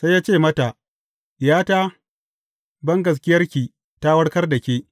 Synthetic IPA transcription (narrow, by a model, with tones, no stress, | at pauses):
sa˦jaː˦t͡ʃeː˦˨mɐ˦ta˨ʔ | jaː˦taː˦ | bɐ˦ŋɡɐ˨s̬kʲɪ˦jɐ˦rkʲiː˨ | ta˦wɐ˦ɽkɐ˦rdɐ˨kʲeː˦